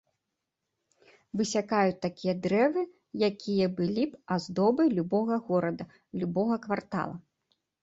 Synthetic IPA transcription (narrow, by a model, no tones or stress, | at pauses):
vɨsʲakajut̪akʲijɐd̪ɾɛvɨ | jakʲʰijɐbɨlʲipazd̪ɔbɨlʲubɔɣɐɣɔɾɐd̪ɐ | lʲubɔɣɐkvart̪a̰lˠɐ